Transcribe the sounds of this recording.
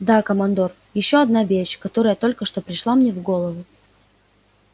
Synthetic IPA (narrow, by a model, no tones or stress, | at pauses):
d̪akəmɐnd̪o̞r | jɪɕːo̞ɐd̪navʲeɕʲkɐt̪o̞ɾəjət̪o̞lʲkəʂt̪o̞pɾʲɪʂlˠamnʲevɡo̞lˠəvʊ